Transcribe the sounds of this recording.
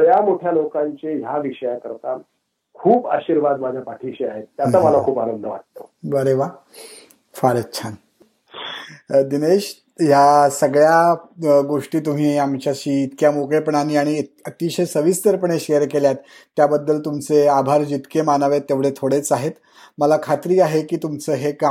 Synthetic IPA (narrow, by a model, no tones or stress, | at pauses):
jamoʈʰjalokaɲt͡ɕejaʋiʂəjakəɾt̪a | kʰuːpa̰ɕiɾʋad̪mad͡ʑʱjapaʈʰiɕeaɦet̪ːjaaməlakʰuːpanənd̪ʱəʋa̰ʈ̚t̪obəɾeʋa | faɾətːt͡ɕʰan | d̪ineɕ | jasəɡɭjaɡoʂʈiːt̪um̤iːamt͡ɕjaɕiːt̪kjamokɭepəɳaniːaɽ̃iət̪iɕesəʋist̪əɾpəɳeɕejəɾkeljat̪ːjabəd̪ːəlt̪umt͡seabʱaɾd͡ʑit̪kemanəʋet̪ːeʋɽet̪ʰoɽet͡saɦet̪ | məlakʰat̪ɾiːaɦekiːt̪umt͡səːɦeka